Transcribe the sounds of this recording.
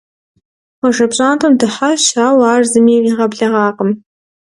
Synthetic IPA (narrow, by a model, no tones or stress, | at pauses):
wɔʒɐbɕʼaːntʰɐmdɨħaʃaːwaːrzɨmiːiːʁɐbɮɐʁɑːqəm